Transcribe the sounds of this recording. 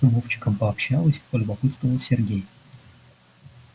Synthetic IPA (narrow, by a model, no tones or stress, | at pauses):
ʊvoft͡ɕɪ̥kəmpəɐpɕːalˠəsʲpəlʲʊbɐpɨt̪st̪vəvəsʲɪrɡʲej